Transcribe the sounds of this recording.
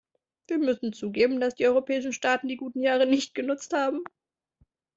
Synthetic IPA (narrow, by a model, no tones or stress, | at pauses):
viːɐmʏsn̩t͡suːɡeːbm̩dasd̥iːɔʏʁopʰɛːɪʃn̩ʃtaːtn̩diːɡuːtn̩jaːʁ̞ənɪçt̚ɡ̥ənʊt͡sthaːbm̩